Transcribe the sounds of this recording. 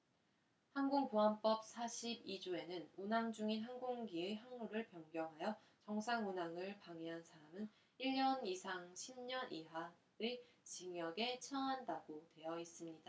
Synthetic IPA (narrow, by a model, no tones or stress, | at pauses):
hanɡuŋpuɦamp͈ʌp̚s͈ʰaɕʰibid͡ʑue̞nɯnunaŋd͡ʑuŋinɦaŋɡuŋɡieɦaŋmuɾɯɭpjʌŋɡjʌŋɦajʌ | t͡ɕʌŋsʰaŋunaŋɯɭpaŋeɦansʰaɾamɯn | iɭɲʌnisʰaŋɕʰimɲʌnʔiɦa | et͡ɕiŋjʌɡe̞t͡ɕʰʌŋɦandaɡotwe̞jʌis͈ɯmɲida